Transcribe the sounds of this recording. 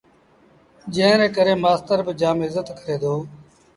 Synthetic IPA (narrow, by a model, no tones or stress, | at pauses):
d͡ʒẽɦɾẽːkəɾeːmaːst̪əɾbɪd͡ʒaːmɪzət̪kəɾeːd̪oː